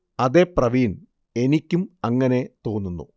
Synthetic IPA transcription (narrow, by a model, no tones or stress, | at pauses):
ɐðe̞prɐʋiːn | e̞nikʲːumɐŋːɐne̞t̪o̞ːnːunːṵ